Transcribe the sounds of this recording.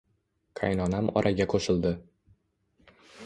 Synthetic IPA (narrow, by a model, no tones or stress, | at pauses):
kʰajnɒnamɒ̰ɾʔaɡʲakʰoʃɪlˠd̪ɪ